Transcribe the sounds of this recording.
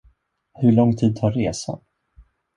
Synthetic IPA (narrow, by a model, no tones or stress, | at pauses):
hɵɭɔŋːt̪ʰiːd̪̚t̪ʰaːɾɾeːsa̰n